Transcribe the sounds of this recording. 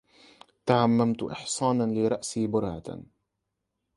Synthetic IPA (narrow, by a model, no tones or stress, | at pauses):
t̪aʕamːamt̪ʔɪ̰ħsˤɑːnlɪɾˤɑʔsiːbʊɾha̰